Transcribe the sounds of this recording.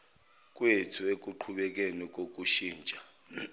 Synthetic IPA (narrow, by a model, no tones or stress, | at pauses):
k̬ʼwetʰuek̬ʼuǃʰuɓɛk̬ʼenik̬ʼok̬ʼuʃiːnt͡ʃʼa